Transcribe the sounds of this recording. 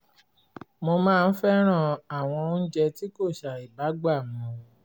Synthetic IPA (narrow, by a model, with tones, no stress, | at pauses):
mo˧mãː˦˧n̩˦fɛ˦ɾ̃ã˦˨a˨w̃ɔ̃˧˦n̩˦d͡ʒɛ˧ti˦ko˦˨ʃa˨i˨ba˨˦ɡ͡ba˦˨mũ˨˧